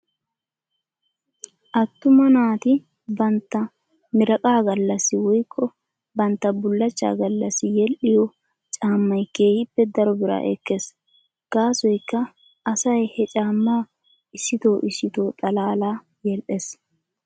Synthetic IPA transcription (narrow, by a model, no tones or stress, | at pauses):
ʔɐt̪ːʊmɐnaːt̪ɪ | bɐnt̪ːɐ | mɪɾɐkʼaːɡɐlːɐsːɪwɔjkʰːɔ | bɐnt̪ːɐbʊlːɐt͡ʃːa̰ːɡɐlːɐsːɪjɛlʔɪjɔ | t͡ʃʼaːmːɐjkeːhɪpːɛd̪ɐɾɔbɪɾa̰ːʔɛ̰kːeːs | ɡ̥aːsɔjkːɐː | sɐjhɛt͡ʃʼaːmːaː | ɪsːɪt̪o̞ːʔɪsːɪt̪o̞ːt̪ʼɐlaːlaː | jɛlʔes